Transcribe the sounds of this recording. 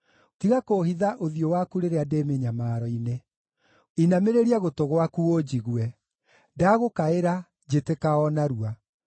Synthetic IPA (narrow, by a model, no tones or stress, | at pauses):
tiɣakohiðaʔoðiowakuɾeɾeademeɲamaːɾɔine | inameɾeɾiaɣotoɣwakuod͡ʑiɣwɛ | daɣokaeɾa | d͡ʑetekaɔnaɾua